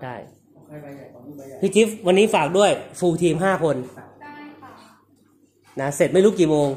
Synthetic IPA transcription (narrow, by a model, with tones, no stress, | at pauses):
t͡ɕʰa˥˩j | pʰiː˧˩t͡ɕi˦˥wa˧nːiː˦˥faː˨˩k̚du˥˩əjfuː˧t̪ʰiː˧mɦaː˥˩kʰo˧n | na˦˥se˨˩t̪̚m˥˩jɾu˦˥kːiː˨˩moː˧ŋ